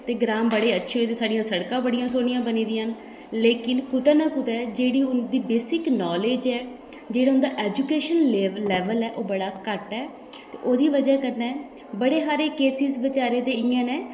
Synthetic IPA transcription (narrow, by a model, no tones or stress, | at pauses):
t̪eːɡɾaːmbəɽeːətːʃʰeːoeːt̪eːsaːɽɪjãːsəɽkãːbəɽɪjãːsoːɽɪjãːbəniːd̪ijən | leːkɪnkʊt̪ɛːnãːkʊt̪ɛːd͡ʒeːɽiːʊnd̪iːbeːsɪknɔːleːd͡ʒɛː | d͡ʒeːɽaːʊnd̪aːʔɛːd͡ʒuːkeːʃənlɛːʋəlɛːʔoːbəɽaːkəʈɛː | t̪eːʔoːd̪iːʋəd͡ʒaːkəɾnɛː | bəɽeːɦaːɾeːkeːsɪsbɪt͡ʃaːɾeːd̪eːɪjãːneː